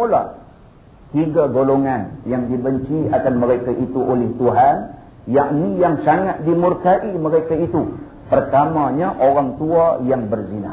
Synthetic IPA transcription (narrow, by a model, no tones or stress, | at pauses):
ola̰ | t̪iɡaɡoloŋanjaŋdibəɲt͡ʃiakanməɾakaʔit̪uʔolɪht̪uɦan | jaʔnijaŋsaŋat̪̚dimurkaʔiməɾekait̪u | pərt̪amãɲaʔoɾaŋt̪uajaŋbərzina̰